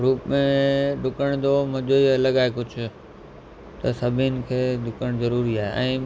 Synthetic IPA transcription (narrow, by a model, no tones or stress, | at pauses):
ɾuːpmẽɖʊkəɽ̃d̪omɐʄoːilɐɠaːekʊd͡ʑʱʊ̆ | t̪ɐsɐbʱɪnɪ̆kʰeːɖʊkəɽ̃zɐɾuːɾiaːɦeʔɛ̃ː